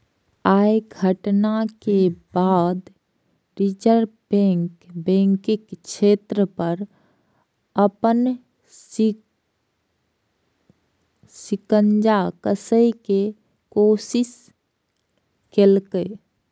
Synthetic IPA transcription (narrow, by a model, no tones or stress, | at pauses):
ajɡʱəʈnakebad̪ | ɾit͡ʃəɾbɛ̃ŋkbɛ̃ŋkɪkt͡ʃʰeːt̪ɾəpəɾ | əpən | sɪkənd͡ʒakəsəike | kosɪs | kelkə